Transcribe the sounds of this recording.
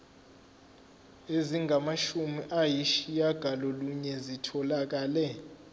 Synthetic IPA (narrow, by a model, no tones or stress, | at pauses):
eziŋɡʱamaʃumiʔajiʃijaɡ̥ʱalɔluɲɛzitʰɔlak̬ʼaːlɛ